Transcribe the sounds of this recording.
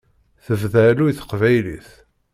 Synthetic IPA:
θəvðælujθə̥qvæjlḭθ

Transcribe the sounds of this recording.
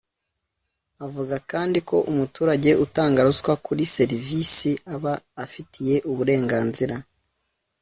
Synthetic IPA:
avuɡakaːndiko̞ʔumutuːɾaɟe̞ʔutaːŋɡaɾuzkwakʰuɾise̞ɾivisiaβaːfitʰije̞ʔuβuɾe̞ːŋɡaːnziɾa

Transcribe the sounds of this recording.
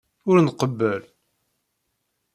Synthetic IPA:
ʊɾnqəbːəl

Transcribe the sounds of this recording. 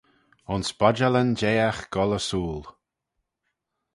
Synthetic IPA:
ʊnsbɔd͡ʒalənd͡ʒeːaxɡ̥ɔləsuːl

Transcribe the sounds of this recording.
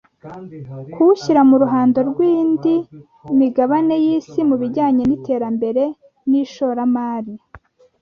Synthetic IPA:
kuuçiɾamuɾuɦaːndo̞ɾɡwiːndiː | miɡaβane̞jiːsimuβiɟaːɲe̞nite̞ːɾambe̞ɾe̞ | niʃoːɾamaːɾi

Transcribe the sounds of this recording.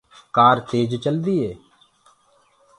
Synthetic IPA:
kaːɾt̪eːd͡ʒt͡ʃəld̪iːeː

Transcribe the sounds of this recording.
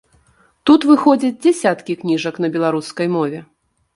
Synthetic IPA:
t̪ut̪vɨxɔd͡zʲɐd͡zʲd͡zʲɛsʲat̪kʲiknʲiʐɐknɐbʲɛlˠaɾuskɐjmɔvʲɛ

